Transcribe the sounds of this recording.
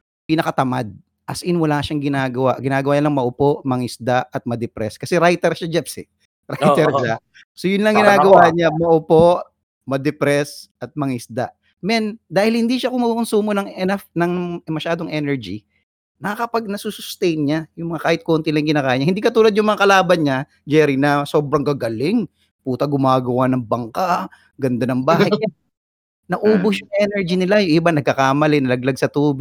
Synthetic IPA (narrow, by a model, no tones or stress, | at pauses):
pɪnɐkɐt̪ɐmad̪̚ | ʔɐsʔɪnwɐlaʃaŋɡɪnaːɡɐwa̰ɡɪnaːɡɐwaːɲɐlɐŋmɐʔʊpo̞ʔmɐŋɪsd̪aʔɐt̪̚mɐd̪ɛpɾɛskɐsɛɾajt̪ɛɾʃad͡ʒɛpsɪ | ɾajt̪ɛɾʃa | sojʊnlɐŋɡɪnaːɡɐwaːɲamɐʔʊpoʔ | mɐd̪ɛpɾɛsɐt̪̚mɐŋɪsd̪a̰ʔ | mɛnd̪aːhɪlhɪnd̪iʃakʊŋmɐukʊnsuːmonɐŋɛnɐfnɐŋmɐʃaːd̪oŋʔɛnɛɹd͡ʒḭ | nɐakɐpaɡ̚nɐsusʊst̪ɛjnɲajʊŋmɐŋakaːhɪt̪̚kont̪ilɐŋkɪnaːkaːɪɲːɐhɪnd̪iːkɐt̪uːlɐd̪jʊŋmɐŋakɐlaːbɐnɲa | d͡ʒɛɾinɐso̞ːbɾɐŋɡɐɡɐlɪŋ | puːt̪ɐɡʊmaːɡɐwanɐŋbɐŋka | ɡɐnd̪anɐŋbaːɦɐj | nɐʔuːbʊsjʊŋʔɛnɛɹd͡ʒinɪlajʊŋʔɪbanɐɡ̚kɐkaːmɐlɛnɐlɐɡ̚laɡ̚sɐt̪uːbɪ